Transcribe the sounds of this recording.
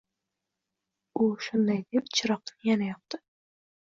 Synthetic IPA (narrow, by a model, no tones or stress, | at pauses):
ʊʃʊnd̪ajd̪e̞pt͡ʃʰɪɾɒq̚t̪ɪnjanajɒp̚t̪ɪ